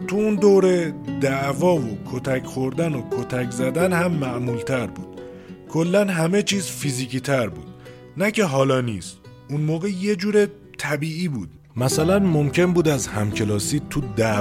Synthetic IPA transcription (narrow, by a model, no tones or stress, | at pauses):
t̪ʰuund̪oɾed̪æʔvɒːvokʰot̪ʰæcʰxo̞ɾd̪æno̞kʰot̪ʰæczæd̪ænhæmːæʔmuːlt̪ʰæɾbṵːd̪̥ | kʰo̞lːænɦæme̞t͡ʃʰiːzfiziːciːt̪ʰæɾbṵːd̪̥ | næcʰe̞ɦɒːlɒːniːst̪ | unmoːɣejed͡ʒuːɾe | t̪ʰæbiːiːbuːd̪̥ | mæsælænmo̞mcʰe̞nbuːd̪æzhæmcʰe̞lɒːsiːt̪ʰud̪æ